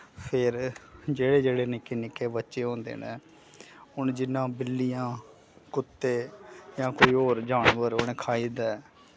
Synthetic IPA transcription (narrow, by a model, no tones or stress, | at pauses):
pʰɪɾd͡ʒeːɽeːd͡ʒeːɽeːnɪkeːnɪkːeːbətːʃeːɦõːnd̪ḛːnḛ̃ː | ʊnd͡ʒɪnːãːbɪlːijãː | kʊt̪ːeːjãːkoːiːɦoːɾd͡ʒaːɳʋəɾʊñeːkʰaːiːd̪ɛː